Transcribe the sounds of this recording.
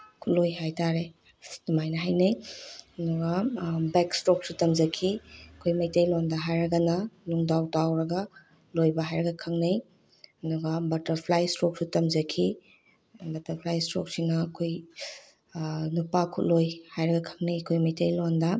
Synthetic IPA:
kʰut̚lojhajtaɾe | dumajnɐɦajneɐduɡɐbekstɾok̚sutɐmzɐkʰiɐkʰojmɐjtejlondɐɦajɾɐɡɐnɐluŋdawtawɾɐɡɐ | lojbɐɦajɾɐɡɐkʰɐŋnej | ɐduɡɐbɐtɐɾpʰlajstɾok̚sutɐmzɐkʰi | bɐtɐɾpʰlajstɾo̰k̚sinɐɐkʰoj | nupakʰut̚lojhajɾɐɡɐkʰɐ̥ŋnejɐkʰojmɐjtejlondɐ

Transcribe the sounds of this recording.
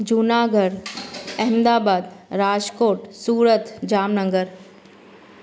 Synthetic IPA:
d͡ʒunaːɡəɾɛɦmd̪aːbaːd̪ɾaːd͡ʒkoːʈsuːɾət̪d͡ʒaːmnəŋɡəɾ

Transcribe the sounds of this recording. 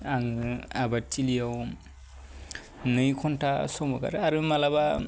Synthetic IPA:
aŋɯabat͡ʃilijaw | nɯjkʰɔntʰasɔmɔka̰ɾaɾɯmalaba

